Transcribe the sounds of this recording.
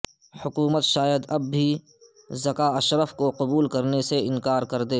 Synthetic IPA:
hʊkuːmət̪ʃaːjəd̪ɐbːi | zɐkaɐʃɾəfkoqʊbuːlkɐɾneseɪ̃nkaːɾkɐɾd̪eː

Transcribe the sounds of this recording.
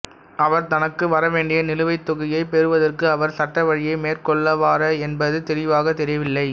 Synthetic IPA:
ʔɐʋɐɾt̪ɐnɐkːɯʋɐɾɐʋeːɳɖɪjɐnɪlɯʋɐɪt̪ːɔɣɐjɐɪpɛɾɯʋɐðɐrkɯɐʋɐɾsɐʈːɐʋɐɻɪjɐɪmeːrkɔɭːɐʋaːɾɐɛnbɐðɯt̪ɛɾɪʋaːɣɐt̪ːɛɾɪʋɪlːɐɪ

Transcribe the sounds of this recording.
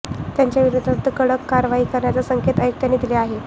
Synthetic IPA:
t̪jaɲt͡ɕjaʋiɾud̪ʱat̪ːəkəɽəkːaɾʋaɦiːkəɾɳjat͡sasəŋkʰet̪əjuk̚t̪anit̪ileaɦe

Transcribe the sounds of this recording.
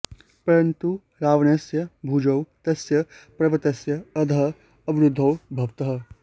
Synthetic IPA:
pɐɾɐnt̪u | ɾaːʋɐnɐsjɐbʱud͡ʒɐwt̪ɐsjɐpɾɐʋɐt̪ɐsjɐɐd̪ʱɐ | ɐbɪɾʊd̪ʱːɐwbʱɐʋt̪ɐɦɐ̆

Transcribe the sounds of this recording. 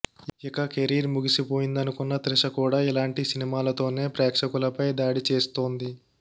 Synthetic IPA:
ikɐkeɾiːɾmuɡisipo̞ːjind̪ɐnukunːɐt̪ɾiʂɐkuːɽaːilaːɳʈisinimaːlɐt̪o̞ːne̞ːpɾɛːkʂɐkulɐpɐjd̪aːɽit͡ʃe̞ːst̪o̞ːnd̪i

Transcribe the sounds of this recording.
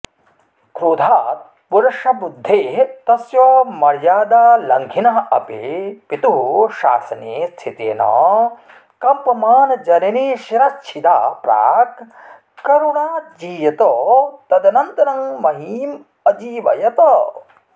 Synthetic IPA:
kʰɾuːd̪ʱaːt̪̚ | puɾɐʃɐbud̪ʱːeːt̪ɐsjɐmɐɾjaːd̪aːlɐŋɡʱinɐɦɐ̰pipit̪uɦuʃa̰ːsɐnest̪ʰit̪ḛːnɐ̰ː | kɐmpɐmaːnɐd͡ʒɐnɐneːʃiɾɐst͡ʃʰid̪aːpɾa̰ːk | kɐɾuɳaːd͡ʒiːjɐt̪oːt̪ɐd̪ɐnɐnt̪ɐɾɐŋmɐɦiːm | ɐd͡ʒiːʋɐ̰jɐt̪ɐ

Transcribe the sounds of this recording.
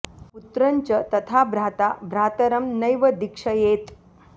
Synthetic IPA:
put̪ɾəɲt͡ɕət̪ət̪ʰabʱɾat̪abʱɾat̪əɾəmnəjʋəd̪ikʂəjet̪

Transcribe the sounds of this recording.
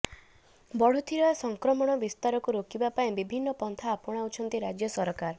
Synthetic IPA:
bɔɽ̤ut̪ʰiɾɔasɔŋkɾɔmɔɽ̃ɔbist̪aɾɔkuɾokibapaĩbibʱinːɔpɔnt̪ʰaːpɔɽ̃aut͡ʃʰɔnt̪iɾad͡ʒjɔsɔɾkaɾ

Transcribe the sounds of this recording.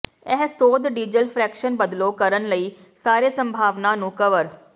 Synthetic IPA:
ɛɦsoːd̪ɖiːd͡ʒəlpʰɾɛːkʃənbəd̪loːkəɾənləiː | saːɾeːsəmbʱaːʋnaːnũːkəʋəɾ

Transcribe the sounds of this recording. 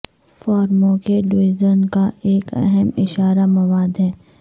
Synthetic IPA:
fɔːɾmõkeɖʋɪzənkaeːkɐ̰ɦɛmɪʃaːɾamɐʋaːd̪ɦɛː

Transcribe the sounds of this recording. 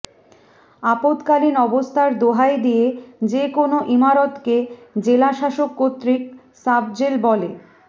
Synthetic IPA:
apot̪kalinɔbost̪ʰaɾd̪oɦaed̪ijed͡ʑekonoʔimaɾot̪ked͡ʑelaʃaʃokːot̪ːɾik̚ | sab̚d͡ʑelbɔle

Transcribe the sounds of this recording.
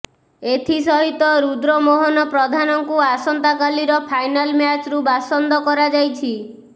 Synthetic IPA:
et̪ʰisɔɦit̪ɔɾud̪ɾɔmoɦɔnɔpɾɔd̪ʱanɔŋkuasɔnt̪akaliɾɔpʰajnalmjat͡ʃɾubasɔnd̪ɔkɔɾad͡ʒajt͡ʃʰi

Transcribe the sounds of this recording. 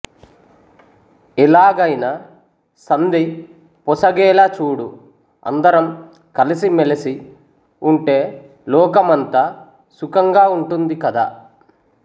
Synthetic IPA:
ilaːɡɐjnɐ | sɐnd̪i | pɔsɐɡɛːlaːt͡ʃuːɽu | ɐ̰nd̪ɐɾɐm | kɐlisimelɐsi | uɳʈe̞ː | lɔːkɐmɐnt̪a | sukɐŋɡaːuɳʈund̪ikɐd̪a̰ː

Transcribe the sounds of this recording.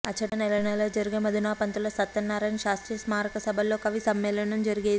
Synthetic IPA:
ɐt͡ʃʰɐɽɐnɛlɐnɐlɐd͡ʒɐɾiɡemɐd̪inaːpɐnt̪ulɐsɐt̪ːɐnːaːɾɐjnʃaːst̪ɾiːsmaːɾɐkɐsɐbʱɐlo̞ːkɐʋisɐmːɛːlɐɳɐmd͡ʒɐɾiɡeː

